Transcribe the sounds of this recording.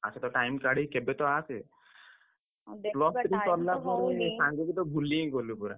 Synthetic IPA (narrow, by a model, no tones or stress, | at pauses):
a̰set̪ɔʈajmkaɽekebet̪ɔase | plɔst̪ɾikɔɾlaɦɔ̃nesãŋɡkit̪ɔbʱuliẽɡɔlupuɾa̰